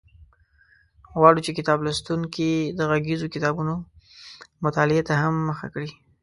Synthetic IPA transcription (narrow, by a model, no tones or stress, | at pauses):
ɣwɑɽut͡ʃekɪt̪ɑblast̪uŋkid̪əɣaɡizokɪt̪ɑbuno | mʊt̪ɑlɪet̪ahamːəxa̰kɽi